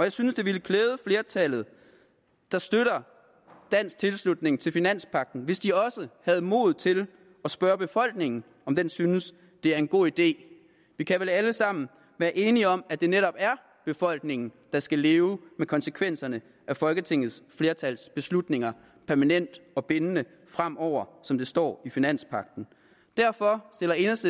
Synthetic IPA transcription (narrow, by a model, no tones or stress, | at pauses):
ɒ̽jɑ̈ɪsynsd̥eʋiləkʰleːð̞ˠəfle̝ːɐt͡sʰælð̩ˠ | d̥ɑ̈sd̥øɾ̥ɐ | d̥æn̰st͡sʰe̝lslud̥ne̝ŋt͡sʰe̝lfinæn̰spʰɑ̈ɡ̥̚d̥n̩ʋe̝sd̥iɒ̽səhæð̞̩ˠmo̝ð̞̩ˠt͡sʰe̝l | ɒ̽sb̥ɶːɐb̥e̝fɒ̽l̰ɡ̥ne̝ŋn̩ | ɒ̽md̥ensynəs | d̥e̝æɐe̝nɡ̥o̝̰ːid̥e̝̰ː | ʋikʰæʋelæləsɑ̈m̰n̩ | ʋæːɐʔe̝ːniɒ̽mæd̥e̝neɾɒ̽b̥æɐ | b̥e̝fɒ̽l̰ɡ̥ne̝ŋn̩ | d̥ɑ̈sɡ̥æle̝ːʊmekʰɒ̽nsəkʰʋen̰sɐnə | ʔæfɒ̽lɡ̥ət͡sʰe̝ŋ̰ð̞̩ˠsfle̝ːɐt͡sʰælsb̥e̝slud̥ne̝ŋɐ | pʰæɐmænen̰d̥ɒ̽b̥enənə | fʁam̰ɒʊ̰ɐsɒ̽md̥e̝sd̥ɒ̰ːifinæn̰spʰɑ̈ɡ̥̚d̥n̩ | d̥æɐ̰fɒ̽sd̥e̝lɐe̝nɐsd̥ə